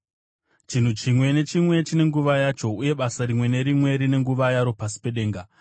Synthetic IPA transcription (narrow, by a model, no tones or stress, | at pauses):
t͡ʃin̤ut͡ʃimwe̞ne̞t͡ʃimwe̞t͡ʃine̞ŋɡuʋajat͡ʃo̞uje̞ɓasaɾimwe̞ne̞ɾimwe̞ɾine̞ŋɡuʋajaɾo̞pasi̥pe̞ɗe̞ːŋɡa